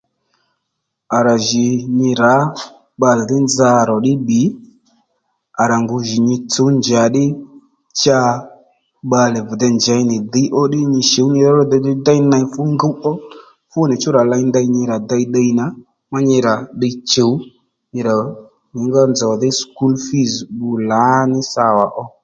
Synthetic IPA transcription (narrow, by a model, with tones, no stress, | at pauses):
a˨ɾa˨ʒɪ˨ɲɪ˧ɾa˨˦ | ɓa˧lɛ˨dɪ˦nd͡za˧˨ɾɔ˨ɗɪ˦ɓi˨˦ | a˨ɾa˨ŋɡʊ˨ʒɪ˨ɲɪ˧t͡so˨˦nd͡ʒa˨˦ɗɪ˦ | t͡ʃa˧ | ɓa˧lɛ˨vdɛ˧nd͡ʒa˨˧jnɪ˨də˨˧˦ʔɔ˦ɗɪ˦ɲɪ˧ʃe˨˦wɲɪ˧ɾa˨˦ɾɔ˦dɔ˧dɪ˧˦da˦jna˧fʊ˦ŋɡə˦wʔɔ˦ | fʊ˦nɪ˨t͡ʃʊ˦ɾa˨la˧jnda˧jɲɪ˧ɾa˨da˧jdə˧jna˨˦ | ma˦ɲɪ˧ɾa˨ɗə˧jt͡ʃə˨w | ɲɪ˧ɾa˨ | ɲɪ˨ŋɡɔ˧nd͡zɔ˨ðɪ˦sku˦lfi˦zɓu˧la˨˦nɪ˦sa˧wa˨ʔɔ˧